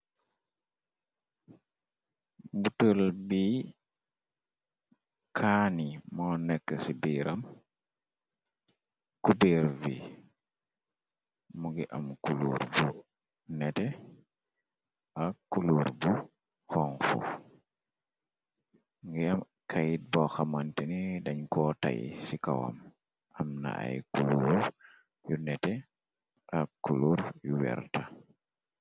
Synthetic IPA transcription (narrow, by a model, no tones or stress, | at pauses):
butolbi | kʰaːnimɔːnɛkːəsibiɾʔam | kubeɾvi | muɡɛʔamkulṵɾbu | nɛtɛ | ʔakːuluːɾbu | xɔŋfṵ | ŋɡɛɐm | kʰɐjit̚bɔxɐmantinidɐɲkɔta̰jḭsikɐwɐ̰m | ʔɐmna̰ʔa̰jkuluːɾ | junɛtɛ | ʔɐkːuluːɾjuwɛ̰ɾta